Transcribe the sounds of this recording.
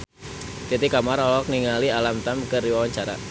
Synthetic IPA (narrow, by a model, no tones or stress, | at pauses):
t̪it̪ikamaɾɔlɔk̚niŋalialamt̪amkəriwawaɲt͡ʃaɾa̰